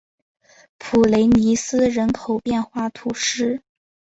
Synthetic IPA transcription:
pʰu˨˩le˧˥ɪni˧˥sɹ̩˥ɻə˧˥nkʰo˨˩ʊpjɛ˥˧nxwa˥˩t̪ʰu˧˥ʂɻɻ̩˥

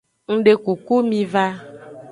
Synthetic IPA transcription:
ŋ̩̃˦ɖe˨ku˨ku˦mĩ˦va˦

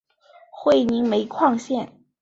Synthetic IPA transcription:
xwe˥˩ɪni˧˥ŋme˧˥ɪkʰwɑ˥˧ŋɕjɛ˥˩n

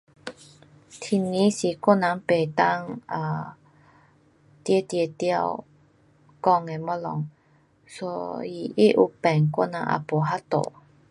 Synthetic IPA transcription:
t̪ʰi˨ni˧˦si˧˨ko˥˨na˨˦ŋpe˨t̪a˥˨ŋa˨ | t̪je˧˦t̪je˧˦t̪ja˧˨w | kɔ˥˧˨ŋe˨mɔ˧˦lɔ̰˨ŋ | sɔ˧i˧˨ʔi˦ʔṵ˧˨pɛ˨ŋkɔ̰˥na̰˧˨ʔa̰˨po˨ɦa˦t̪o̰˨

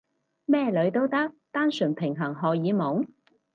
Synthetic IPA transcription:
mɛː˥˩lɵ˨˧ɥt̪o˥wt̪ɐ˥k̚t̪aː˥nsɵ˨˩npʰɪ˨˩ŋɦœː˨˩ŋɦɔː˨˩jiː˨˧˥mʊ˨˥ŋ

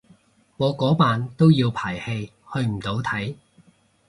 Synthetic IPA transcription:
ŋɔː˨˧kɔː˨˥paː˧nt̪o˥wjiː˧wpʰaː˨˩jhe˧j | hɵ˧ɥm̩˨˩t̪o˨˧wt̪ʰɐ˨˥j

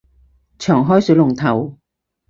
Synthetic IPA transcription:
t͡ʃʰœː˨˩ŋɦɔː˥jsɵ˨˥jlʊ˨˩ŋt̪ʰɐ˨˩w

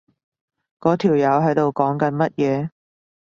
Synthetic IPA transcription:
kɔː˨˥t̪ʰiː˨˩wjɐ˨˧wɦɐ˨˥jt̪o˨wkɔː˨˥ŋkɐ˨˥nmɐ˥t̚jɛː˨˧

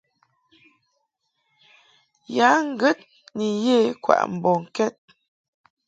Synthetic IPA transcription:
ja˨˦ŋ̩˦ɡə˦t̚ | ni˨je˦˨kwa̰˨ʔm̩˨bɔ˨ŋ̩˨kɛ˦t̚

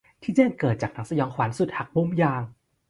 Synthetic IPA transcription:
t̪ʰiː˥˩t͡ɕeː˥˩nkɤː˨˩t̪̚t͡ɕaː˨˩k̚t̪ʰa˦ŋsa˧jɔː˨˧˦ŋkʰwa˩˦nsu˨˩t̪̚ha˨˩k̚bu˧˥˦mjaː˧ŋ

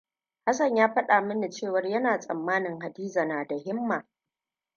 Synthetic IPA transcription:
ha˦sɐ˨ɲjaː˦ɸɐ˦ɗaː˨mɪ˦ni˨t͡ʃeː˦˨wɐ˨˦rjɐ˦naː˨sʼɐ̰˨mːaː˦nɪ˨ŋha˨diː˦zaː˨naː˨da˨ɦɪ˦mːaː˨

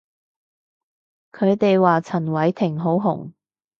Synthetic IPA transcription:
kʰɵ˨˧ɥt̪e˨jwaː˨˩t͡sʰɐ˨˩nwɐ˨˥jt̪ʰɪ˨˩ŋɦo˨˥wɦʊ̰˨˩ŋ

